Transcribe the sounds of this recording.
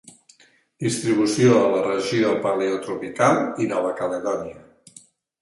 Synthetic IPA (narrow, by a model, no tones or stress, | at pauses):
d̪ist̪ɾiβ̞usioðələrəʒiðəlˠpəleot̪ɾupikalˠinɔβ̞əkələðɔniə